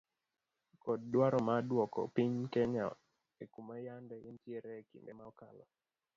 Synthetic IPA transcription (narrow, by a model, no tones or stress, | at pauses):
kɔd̚ːwaɾɔmadwɔkɔ̰piɲkɛɲa̰ | ekumajandɛjintjeɾɛkḭmbemakalɔ̰